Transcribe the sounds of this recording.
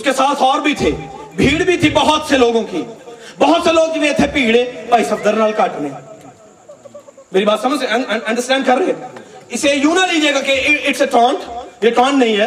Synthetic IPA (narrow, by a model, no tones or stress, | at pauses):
ʊskesaːt̪ʰɔːɾbʱit̪ʰeːbʱiːɽbʱit̪ʰibəɦʊt̪seloːɡõkibəɦʊt̪seloːɡ̚inẽt̪ʰepiːɽepaisəbd̪əɾnaːlkaːʈnẽː | meːɾibaːt̪sɐməd͡ʒɐ̃ɳɖəɾsʈɛ̃ːɳɖkɐɾːəiɛɪsejũːnaliːd͡ʒeːɡakeɪʈseʈɾãːɳʈjeʈãːɳnɐɦĩɦɛː